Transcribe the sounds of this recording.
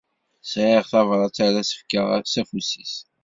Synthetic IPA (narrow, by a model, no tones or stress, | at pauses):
sʕəʁθɑvɾˤɑt͡sːæɾæsə̥fkəʁsæfusis